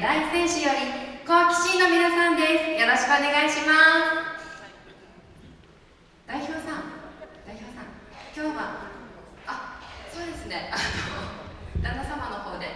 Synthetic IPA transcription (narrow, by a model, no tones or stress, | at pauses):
d̪ait͡sɨd̪ẽ̞ɰ̃ɕɨjo̞ɾʲiko̞akʲi̥ɕĩnːo̞mʲinasãnd̪e̞sɨ̥jo̞ɾo̞ɕi̥kɯ̟one̞ɡaiɕimas | d̪̥aiçʲo̞ːsãŋd̪̥aiçʲo̞ːsãŋkʲo̞ːβa | aso̞ːd̪e̞sɨne̞anod̪anasamano̞ho̞ːd̪e̞